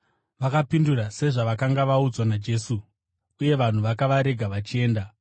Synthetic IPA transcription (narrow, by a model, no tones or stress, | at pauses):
ʋakapindurase̞ʐaʋakaŋɡaʋaud͡zwanad͡ʒe̞su | uje̞ʋan̤uʋakaʋaɾe̞ɡʱaʋat͡ʃie̞ːnda